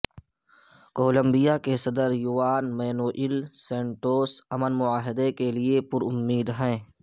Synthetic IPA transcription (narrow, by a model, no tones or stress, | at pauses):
koːlə̃mbijakesɐd̪əɾjʊʋaːnmɛːnoːʔɪlsɛ̃ːɳʈoːsɐmənmʊaːɦɪd̪ekeliepʊɾʊmːiːd̪ɦɛ̃ː